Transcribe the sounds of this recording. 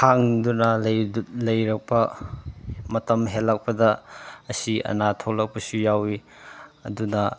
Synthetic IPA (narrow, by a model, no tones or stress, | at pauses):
haŋdunɐlɐjlɐjɾɐk̚pɐ | mɐtɐmɦelːɐk̚pɐdɐːsiɐ̰natʰoklɐk̚pɐsujawi | ɐdunɐ